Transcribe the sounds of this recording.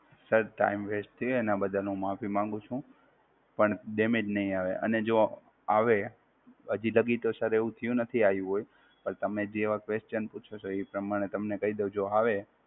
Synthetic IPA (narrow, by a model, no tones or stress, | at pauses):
səɾʈa̰imʋeʃt̪ʰijenabəd̪ʱanũmafimãŋɡũt͡ʃʰũ | pəɳɗemed͡ʒnəɦĩaʋeʔə̰ned͡ʒo | aʋe | ɦəd͡ʒiləɡit̪osəɾeʋũt̪ʰəjũnət̪ʰiajũɦoj | pəɾt̪əmed͡ʒeʋakʋest͡ʃənput͡ʃʰot͡ʃʰoipɾəmaɽ̃et̪əmnekəid̪od͡ʒoaʋe